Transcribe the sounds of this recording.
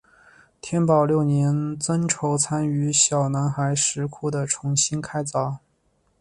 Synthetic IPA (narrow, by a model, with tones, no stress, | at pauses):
t̪ʰjɛ˥np̬ɑ˨˩ʊljo˥˩ʊnjɛ˧˥nt͡sə˥nʈ͡ʂʰo˧˥ʊt͡sʰa˥ny˧˥ɕjɑ˨˩ʊna˧˥nxa˧˥ɪʂɻ̩˧˥kʰu˥˩d̪ə˩ʈ͡ʂʰʊ˧˥ŋɕi˥nkʰa˥ɪt͡sɑ˧˥˩ʊ